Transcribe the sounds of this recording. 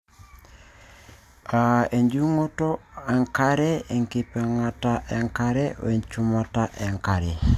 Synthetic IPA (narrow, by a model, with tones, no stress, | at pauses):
a˨e˨ɲd͡ʒu˦ŋo˦tɔ˦a˨ŋka˦ɾɛ˦e˨ŋki˨pɛ˨ŋa˨ta˦ʔɛ˨ŋka˦ɾɛ˦o̰˨e˨ɲt͡ʃu˦ma˨ta˦ʔɛ˨ŋka˨ɾɛ˨